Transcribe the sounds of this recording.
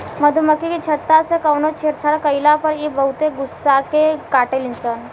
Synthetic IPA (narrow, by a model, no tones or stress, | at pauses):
məd̪ʱuməkikit͡ɕʰət̪ːasekəwnot͡ɕʰeɾt͡ʃʰaɽkəjlapəɾibəɦut̪eɡusːakekaʈelint͡sən